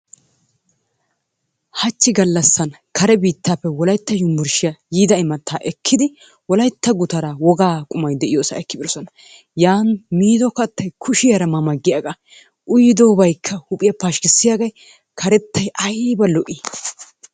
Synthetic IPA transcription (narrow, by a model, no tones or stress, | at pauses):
hɐt͡ʃːɪɡɐlːɐsːɐn | kʰɐɾɛbiːt̪ːaːpːɛwɔlɐjt̪ːɐjʊmbʊɾʃɪjɐjiːd̪ɐɪmɐt̪ʰːaːʔɛkʰːɪd̪ɪ | wɔlɐjt̪ːɐɡʊt̪ɐɾawɔɡaːkʼʊmɐjd̪ɛʔɪjoːsɐ̰ɛkːɪbɪɾsɔnɐ | jaːnmiːd̪ɔkɐt̪ːɐjkʰʊʃɪjɐɾɐmɐmɐɡːɪjaɡa | ʔʊjɪd̪oːbɐjkʰːɐhʊpʼɪjɐpaːʃkɪsːɪjaɡɐj | kʰɐɾɛt̪ːɐjʔɐjbɐlɔʔiː